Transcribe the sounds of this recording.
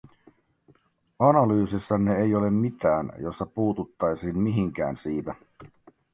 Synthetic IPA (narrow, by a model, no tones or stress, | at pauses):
ɑnɑlyːsisːɑnːeejo̞le̞mːit̪æːnjo̞sːɑpuːt̪ut̪ːɑjsiːnmiɦiŋk̟æ̰ːnsiːt̪æ